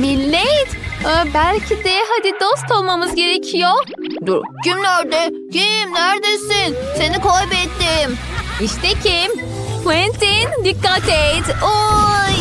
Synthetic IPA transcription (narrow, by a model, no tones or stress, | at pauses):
milʲːejt̪ːbælʲcʰid̪ɛɦad̪id̪ost̪olˠmamɯzɟe̞ɾecʰijo | d̪uɾcimnæɾd̪ɛ | cʰimnæɾd̪esinsenikʰojbɛt̪ːim | iʃt̪ʰɛcʰim | t̪ʰwɛnt̪ʰind̪ikːat̪ejt̪o